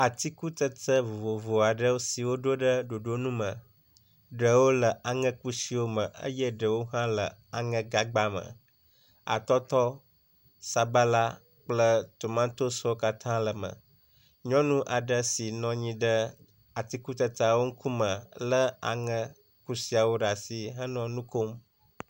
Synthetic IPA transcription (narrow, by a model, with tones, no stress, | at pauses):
a˨t̪i˦ku˦t̪ə˦t̪ə˦vo˨vo˨vo˨a˨ɖə˦wo˦si˨wo˦ɖo˦ɖə˦ɖo˨ɖo˦nũ˦mə̃˨ | ɖə˨wo˦lə˨ʔa˨ŋə̃˦ku˦si˨wo˦mə̃˨ʔə̰˦jə˦ɖə˨wo˦ɦã˦lə˨a˨ŋə̃˦ɡa˦ɡ͡ba˦mə̰˨ | a̰˨t̪ɔ˦t̪ɔ˦ | sa˨ba˦la˦ | k͡plə˦t̪o˨mã˦t̪o˦sɔ˦o˦ka˦t̪ʰã˦lə˨mə̰̃˨ | ɲɔ̃˦nũ˦ʔa˨ɖə˦si˨nɔ̃˨ɲĩ˦ɖə˦ | a˨t̪i˦ku˦t̪ə˨t̪a˨wo˦ŋ̩˦kʰu˦mə̃˨lə˦a̰˨ŋə̃˦ | ku˦si˨˦a˨wo˦ɖa˨si˨ɦə˦nɔ̃˨nũ˦ko˦m